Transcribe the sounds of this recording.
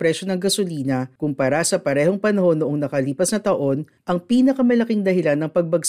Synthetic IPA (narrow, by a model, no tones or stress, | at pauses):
pɾɛʃo̞nɐŋɡɐsoliːnɐkʊmpɐɾasɐpɐɾɛho̞ŋpɐnɐho̞nːoʔoŋnɐkɐliːpɐsnɐt̪ɐʔo̞n | ʔɐŋpiːnɐkɐmɐlɐkiŋd̪ɐɦɪlanːɐŋpɐɡ̚bɐɡs